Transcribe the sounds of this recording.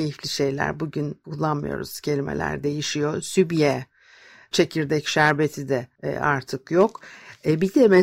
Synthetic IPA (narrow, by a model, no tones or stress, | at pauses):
ejiflʲiʃe̞jlʲæ̰ɾbuɟynuzˠanmɯ̰jo̞̰ɾṵz̥cʰe̞lʲimḛlʲæ̰ɾd̪e̞jiʃijo̞sybjɛ | t͡ʃʰe̞cʰiɾd̪ɛcʃæɾbet̪ʰid̪ɛ̰aɾt̪ʰɯkjo̞kbid̪ɛme